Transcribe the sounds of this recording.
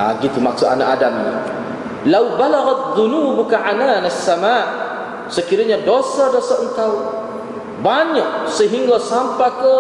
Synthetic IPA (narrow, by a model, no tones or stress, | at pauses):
a̰ɡit̪umaksʊanaʔadamni | lawbalaɣaðunuːbukaʕananasːamaːʔ | səkiɾaɲadosadosaʔənk̪aw | baɲak̚səɦiŋɡasampakə